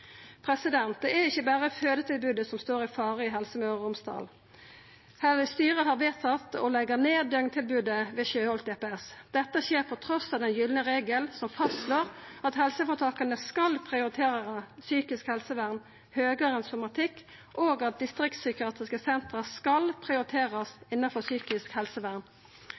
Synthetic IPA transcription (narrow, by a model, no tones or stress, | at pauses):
pʰɾɛsɪd̪ɛnt̪̚d̪ɛæɪçːəbæːʁəføːd̪ət̪ʰɪlbʉːd̪əsɔmst̪oːɾɪfɑːʁəɪɦɛlsəmœʊmst̪ɑ̰ːl | hɛst̪yːʁəɦɑːʁʋeːt̪ʰɑt̪ːɔ̰lɛɡəʁneːd̪œŋnt̪ʰɪlbʉːd̪əʋɛːçøːhɔlt̪eːpːɛsd̪̥ɛt̪ːəçeːʁpʰɔt̪ʰɾɔsɑʋd̪ɛnjʏːlnəʁeːɡəlsɔmfɑst̪sloːʁɑt̪hɛlsəfɔt̪ʰɑːkɑnəskɑlpʰʁɪʊʁɪt̪ʰeːʁəsyːkɪskhɛlsəʋæʁn | høːɡəʁɛnsʊmɑt̪ʰɪkː | ʔoːɡɑt̪̚d̪ɪst̪ʁɪk̚t̪sʏkɪɑːt̪ʁɪskəsɛnt̪ʁəskɑlpʰʁɪʊɾɪt̪ʰeːʁɑsɪnːɑfɔʁsyːkɪskhɛlsəʋæʁn